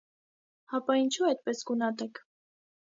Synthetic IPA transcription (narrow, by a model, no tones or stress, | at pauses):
hɑpɑint͡ʃʰuɛjt̪̚pɛsɡunɑt̪ɛkʰ